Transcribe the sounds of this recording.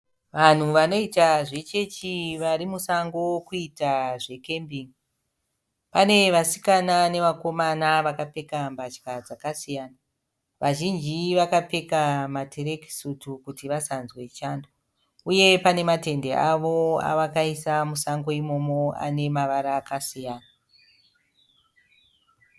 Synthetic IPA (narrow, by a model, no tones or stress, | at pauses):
ʋan̤uʋano̞itaʐe̞t͡ʃe̞t͡ʃiʋaɾimusaŋɡo̞kuitaʐe̞ke̞mbiŋi | pane̞ʋasi̥kanane̞ʋako̞manaʋakape̞kambat͡ʃkad͡zakasijaːna | ʋaʒind͡ʒiʋakape̞kamatʰeɾe̞ki̥sutukutiʋasanzwe̞t͡ʃaːndo | uje̞pane̞mate̞nde̞ʔaʋoa̰ʋakaisamusaŋɡo̞imo̞mo̞a̰ne̞maʋaɾaːkasijaːna